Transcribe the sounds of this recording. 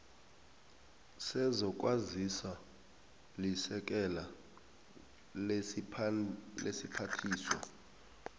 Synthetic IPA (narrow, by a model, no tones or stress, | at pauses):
sɛzɔk̬ʼwazisa | lisɛk̬ʼɛla | lḛsipʰatʰiːswa̰